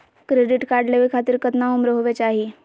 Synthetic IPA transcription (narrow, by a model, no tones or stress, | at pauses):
kɾeɖiʈkaɾɖleʋikʰat̪iːɾkət̪naumɾoɦoʋet͡ɕaɦi